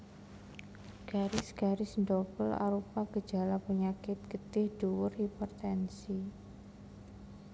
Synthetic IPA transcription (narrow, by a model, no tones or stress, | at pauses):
ɡ̥aɾɪsɡ̥aɾɪsndɔpəla̰ɾupaɡ̥ə̥d͡ʒa̤lapəɲakɪt̪̚ɡ̥ət̪ɪhd̥uwʊripɔrt̪ɛnsi